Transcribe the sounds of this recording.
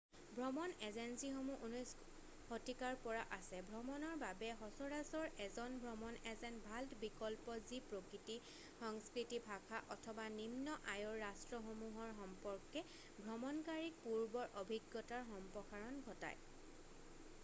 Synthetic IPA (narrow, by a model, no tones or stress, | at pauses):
bʱɹɔmɔnɛzensixomuʔunɔjs | hotikaɹpɔɹaʔasɛbʱɹɔmɔnɔɹbabɛxɔsɔɹasɔɹɛzɔnbʱɹɔmɔnɛzɛnbʱalbikɔlpɔzipɹokɹiti | xɔŋskɹitibʱakʰaʔɔtʰɔbanimnɔʔajɔɹːastɹɔxomuɦɔɹxɔmpɔɹkɛ | bʱɹɔmɔnkaɹik̚puɹbɔɹʔobʱiɡjɔtaɹxɔmpɔxaɹɔnɡʱɔta̰j